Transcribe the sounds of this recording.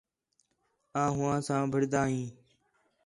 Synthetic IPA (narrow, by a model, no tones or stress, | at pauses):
ãːɦʊːãːsãːbʱəɽd̪aːɦĩː